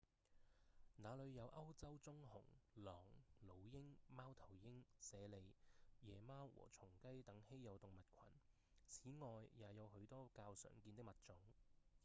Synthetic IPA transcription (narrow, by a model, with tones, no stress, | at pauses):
naː˨˧lɵ˨˧ɥjɐ˨˧wʔɐ˥wt͡sɐ˥wt͡sʊ˥ŋhʊ̰˨˩ŋlɔː˨˩ŋlo˨˩wjɪ˥ŋmaː˥wt̪ʰɐ˨˩wjɪ˥ŋsɛː˨˧le˨˧jjɛː˨˩maː˥wwɔ̰ː˨˩t͡sʰʊ˨˩ŋkɐ˥jt̪ɐ˨˥ŋhe˥jjɐ˨˧wt̪ʊ˨ŋmɐ˨t̚kʷʰɐ̰˨˩n | t͡sʰiː˨˥ŋɔː˨jːaː˨˧jɐ˨˧wɦɵ˨˥ɥt̪ɔː˥kaː˧wsœ̰ː˨˩ŋkiː˧nt̪ɪ˥kmɐ˨t̚t͡sʊ˨˥ŋ